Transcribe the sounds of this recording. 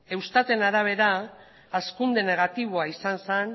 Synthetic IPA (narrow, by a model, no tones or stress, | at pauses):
e̞wst̪at̪e̞naɾaβ̞e̞ɾa | askund̪e̞ne̞ɣ̞at̪iβ̞oaisansen